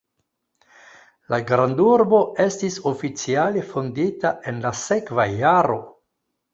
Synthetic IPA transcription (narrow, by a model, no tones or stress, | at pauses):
laɡɾanduɾbo̞e̞stisofit͡siale̞fonditae̞nlase̞kvajaɾo̞